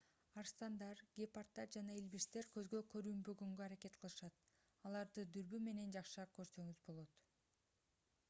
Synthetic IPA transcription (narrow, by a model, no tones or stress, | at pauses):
ɑɾst̪ɑnd̪ɑɾɡʲepart̪ːɑɾd͡ʒɑnɑilbiʃt̪e̞ɾkø̞zɡø̞kʰø̞ɾyːmbøɡøŋɡøɑɾake̞t̪qʰɯlˠɯʃɑt̪̚ | ɑlˠɑɾd̪ɯd̪yɾbyme̞ne̞nd͡ʒɑqʃɑkø̞ɾsø̞ŋyzbo̞lˠo̞t̪